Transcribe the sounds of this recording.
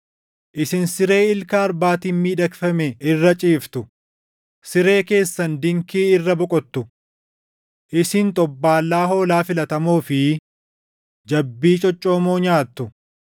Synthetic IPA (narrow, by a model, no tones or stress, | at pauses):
ʔɪsɪnsɪɾe̞ːɪlkaːɾbaːt̪iːnmiːᶑɐkfɐmɛɪrːɐt͡ʃʼiːft̪ʊ | sɪɾe̞ːke̞ːsːɐnd̪ɪŋkiːɪrːɐbɔkʼɔt̪ːʊ | ʔɪsɪnt̪ʼɔbːaːlːaːɦo̞ːlaːfɪlɐt̪ɐmuːfɪ | d͡ʒɐbːiːt͡ʃʼɔt͡ʃʼːo̞ːmoːɲaːt̪ːʊ